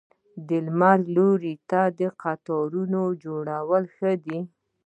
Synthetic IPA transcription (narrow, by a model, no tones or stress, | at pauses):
d̪əlmaɾloɾit̪ad̪əqat̪ɑɾunod͡ʒoɽawəlxəd̪i